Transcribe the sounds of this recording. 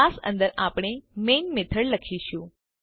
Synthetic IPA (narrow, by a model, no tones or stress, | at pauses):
asə̰̃nd̪əɾapɽ̃emenmet̪ʰəɭləkʰiʃũ